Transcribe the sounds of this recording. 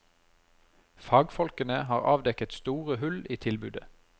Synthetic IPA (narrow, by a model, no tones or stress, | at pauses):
fɑːɡfɔlkənəhɑːʁɑːʋd̪ɛkət̪st̪uːʁəhʉliːt̪ʰɪlbʉːd̪ə